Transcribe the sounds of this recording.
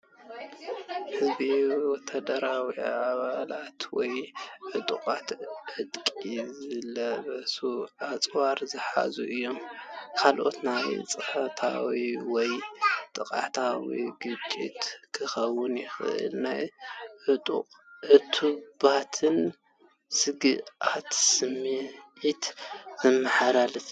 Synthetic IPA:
hɨzbiwɔt̪ʰad̪ɐɾawḭʕaβalat̪wɔjʕɨt̪ʼuqʼat̪ʕɨd̪kʼizɨlɐβɐsuat͡sʼwaɾzɨħa̰zuʔɨjːo̞mkʰalʔo̞̰t̪najt͡sʼɨħɐt̪ʰa̰wiwɔjt̪ʼɨkʼat̪ʰawḭɡɨt͡ʃʼːḭt̪kʰɨxɐwːʊnjɪxɨ̰ʔɨ̰lnajɨt̪ʼṵʕɨt̪ʰubat̪ʰɨn | sɨɡɨat̪sɨmiit̪zɨmːɨħaɾalɨf

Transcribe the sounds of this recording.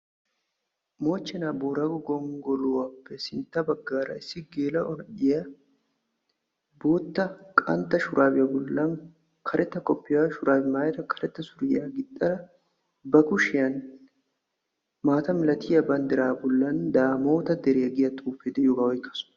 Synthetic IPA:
mo̞ːt͡ʃːɛnaːboːɾɐɡʊɡɔŋɡɔlʊwɐpːɛsɪnt̪ːɐbɐɡːaːɾɐ̰ɪsːɪɡeːlɐʔɔɾᶑɪjɐ | boːt̪ːɐkʼɐ̰nt̪ːɐʃʊɾʔaːbɪjɐbʊlːɐŋ | kʰɐɾʔɛt̪ːɐkʼɔpːɪjaʃʊɾaːbɪmaːjɐɾɐkɐɾɛt̪ːɐsʊɾɪjaːɡɪt̪ʼːɐɾɐ | bɐkʊʃɪjɐn | maːt̪ɐmɪlɐt̪ʰɪjɐbɐnd̪ɪɾaːbʊlːɐnd̪aːmo̞ːt̪ɐd̪ɛɾejɐɡɪjɐt̪ʼuːfeːd̪ɛjoːɡɐwɔjkːɐsʊ̥n

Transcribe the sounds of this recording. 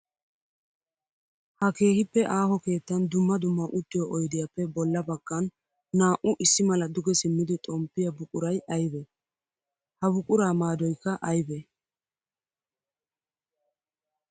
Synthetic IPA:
hɐke̞ːhɪpːɛʔaːɦɔke̞ːt̪ːɐnd̪ʊmːɐd̪ʊmːɐʔʊt̪ːɪjɔʔɔjd̪ɪjɐpːɛbɔlːɐbɐɡ̥ːɐnː | aːʔʊʔɪsːɪmɐlɐd̪ʊɡɛsɪmːɪd̪ɪt̪ʼɔmpːɪjɐbʊkʼʊɾɐjɐjbɛ | hɐbʊkʼʊɾaːmaːd̪ɔjkːɐʔɐjbɛ

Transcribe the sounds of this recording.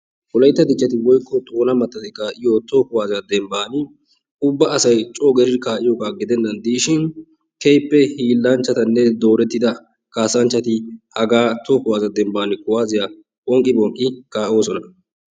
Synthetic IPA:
kʊlɐjt̪ːɐd̪ɪt͡ʃːɐt̪ɪwɔjkːɔt̪ʼoːnɐmɐt̪ːɐt̪ɪkaːʔɪjot̪oːkʊwaːzɪjɐd̪ɛmbaːnɪ | ʊbːɐʔɐsɐjt͡ʃʼoːɡɛɾɪɾkaːʔɪjoːɡaːɡɪd̪ɛnːɐnd̪iːʃɪn | kɛjpːɛhiːlːɐnt͡ʃːɐt̪ɐnːɛd̪o̞ːɾɛt̪ːɪd̪ɐ | kaːsɐnt͡ʃːɐt̪ɪhɐɡaːt̪oːkʊwaːzɐd̪ɛmbaːnɪkʊwaːzɪja | bʼɔŋkʼːɪbʼɔŋkʼːɪkaːʔo̞ːsɔnɐ

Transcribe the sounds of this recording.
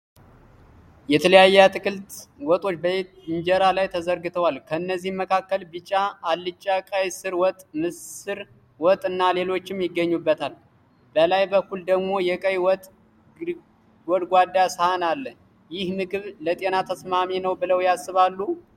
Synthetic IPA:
jɛt̪ʰələjajːɛat̪ʰɨkʰɨlt̪wɔt̪ʼo̞t͡ʃːbəet̪ɨɲd͡ʒɛɾalajt̪ʰəzəɾɡɨt̪ʰəwalkʰəɨnːəzːihmːəkʰakːəlbɨt͡ʃʼːaalːɨt͡ʃʼːakʼəjsɨɾwɔt̪ʼmɨsɨɾ | wɔt̪ʼɨnːale̞lo̞t͡ʃːɪmjɪɡːəɲːubːət̪ʰal | bəlajbəkːuld̪əɡmo̞jɛkʼəjwɔt̪ʼ | wɔd̪ɡʷad̪ːashanalːə | jɪhnɨɡɨβlət̪ʼe̞nat̪ʰəsmaminəwbɨləwjasːɨβalːu

